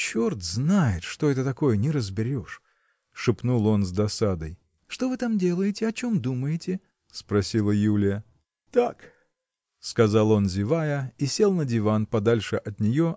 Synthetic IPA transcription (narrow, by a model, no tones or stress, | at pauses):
t͡ɕort̪znajɪt̪ʂt̪oɛt̪ət̪ɐko̞jənʲɪɾəzbʲɪɾʲo̞ʂ | ʂɨpnulˠo̞nzd̪ɐsad̪əj | ʂt̪o̞vɨt̪amdʲe̞lˠəjɪtʲɪɐt͡ɕo̞md̪uməjɪtʲɪ | spɾɐsʲilˠəjulʲɪjə | t̪ak | skɐzalˠo̞nzʲɪvajəisʲe̞lˠnədʲɪvanpɐd̪alʲʂɨʔɐt̪nʲɪjo